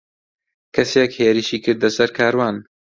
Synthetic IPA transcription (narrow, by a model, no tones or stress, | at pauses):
kʰɐsekheːɾɨʃiːkʰɨɾd̪ɐsɐɾkʰaːɾwaːn